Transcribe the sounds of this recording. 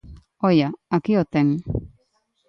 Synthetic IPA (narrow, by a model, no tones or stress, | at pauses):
ojaakiot̪eŋ